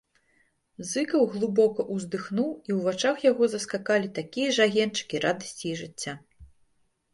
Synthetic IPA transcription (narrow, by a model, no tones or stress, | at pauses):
zɨkɐwɣlˠɨbɔkɐʔuzd̪ɨxnuwiwvat͡ʂaxjaɣɔzɐskakalʲit̪akʲijɐʐaɣʲɛnt͡ʂɨ̥kʲiɾad̪ɐsʲt͡sʲiiʐɨt͡sʲːa